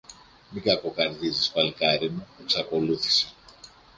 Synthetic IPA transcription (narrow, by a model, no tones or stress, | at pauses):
mikɐkokɐɾðizispɐlkɐɾimueksɐko̞luθi̥se̥